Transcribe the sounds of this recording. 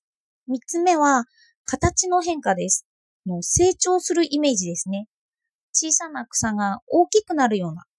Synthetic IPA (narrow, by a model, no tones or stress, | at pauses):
mʲit͡sɨme̞βa | kat̪at͡ɕino̞ɦẽ̞ŋkad̪e̞sɨ̥ | no̞se̞ːt͡ɕo̞ːsɨɾɯ̟ʔime̞ːʑid̪e̞sɨne̞ | t͡ɕiːsanakɯ̟̥saŋao̞ːkʲikɯ̟naɾɯ̟jo̞ːna̰